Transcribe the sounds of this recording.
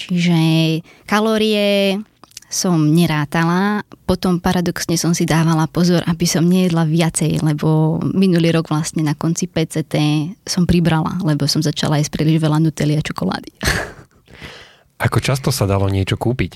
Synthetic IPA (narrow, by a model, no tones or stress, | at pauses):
t͡ʃiʒɛkalɔːɾiɛ | sɔmɲɛɾaːt̪alapɔt̪ɔmpaɾad̪ɔksɲɛsɔmsid̪aːʋalapɔzɔɾʔabisɔmɲɛjɛd̪laʋɪat͡sɛjlɛbɔminuliːɾɔɡʋlasɲɛnakɔnt͡sipɛːt͡sɛt̪ɛːsɔmpɾibɾala̰lɛbɔsɔmzat͡ʃa̰laispɾiːliʒʋɛlanut̪ɛliat͡ʃɔkɔla̰ːd̪i | ʔakɔt͡ʃast̪ɔsad̪alɔɲɪɛt͡ʃɔkuːpic